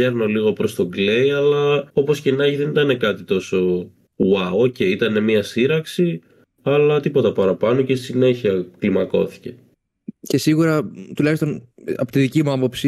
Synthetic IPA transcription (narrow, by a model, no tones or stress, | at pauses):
eɾno̞liɣo̞pɾo̞st̪o̞ɡle̞jɐlɐopo̞scenɐʝiðe̞nit̪ɐne̞kɐt̪it̪o̞so̞ | wɐwoce̞it̪ɐne̞miɐsiɾɐksi | ɐlɐt̪ipo̞t̪ɐpɐɾɐpɐno̞cesi̥sine̞çiɐklimɐko̞̰θi̥ce̞ | cesiɣuɾɐt̪ulɐçist̪onɐ̰pot̪iðicimuɐpo̞psi